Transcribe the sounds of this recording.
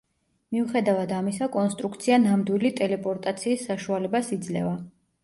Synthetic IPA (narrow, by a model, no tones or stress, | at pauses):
miuχɛd̪avad̪amisakʼɔnst̪ʼɾukʰt̪sʰianamd̪wilit̪ʼɛlɛpʼɔɾt̪ʼat̪sʰiːsːaʃualɛbasid̪zlɛ̰va